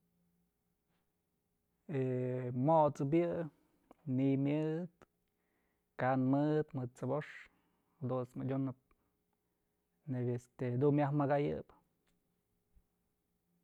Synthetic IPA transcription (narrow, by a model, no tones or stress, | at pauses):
emoʔt͡sɨp̬jɨ | nimjɨt̪ | kanmɨd̪mɨd̪̚t͡sɨboʂ | d̪usmɨdʲunɨp̚ | nebʲest̪ed̪unmjahmaɡajɨ̰b